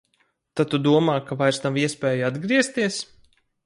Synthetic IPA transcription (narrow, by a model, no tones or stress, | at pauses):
t̪at̪ːud̪uɔmaːkavajɾsnaviɛspʲɛːjad̪ɡɾiɛst̪iɛs